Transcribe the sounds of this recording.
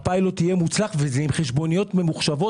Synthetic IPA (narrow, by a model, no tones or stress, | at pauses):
pajlo̞t̪ijemut͡slaχvezeimχeʃbo̞nijo̞tmemuχʃavo̞